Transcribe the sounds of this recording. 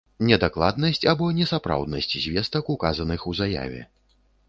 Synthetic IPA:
nʲɛd̪aklˠa̰d̪̚nɐsʲt͡sʲabɔnʲɛsapɾa̰wd̪nɐ̰sʲt͡sʲzʲvʲɛst̪ɐkukazɐnɨxuzaja̰vʲɛ̰

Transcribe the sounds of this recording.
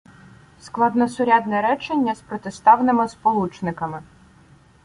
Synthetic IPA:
sklˠɑd̪nɔsʊɾʲad̪nɛɾɛt͡ʃenʲːɐspɾɔt̪est̪ɑwnɪmɪspɔlˠut͡ʃnɪkɐmɪ

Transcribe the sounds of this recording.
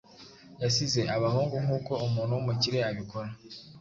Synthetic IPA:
jasize̞ʔaβaɦuːŋɡuŋuːko̞umuːnuwumuciɾe̞aβikoɾa

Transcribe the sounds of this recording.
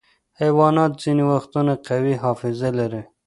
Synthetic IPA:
hajwɑnɑt̪ziniwaxt̪unaqawiɦɑfɪzalaɾi

